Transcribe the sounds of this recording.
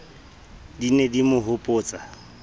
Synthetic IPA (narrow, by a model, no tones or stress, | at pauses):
dinedimʊɦʊpʼʊːt͡sʼa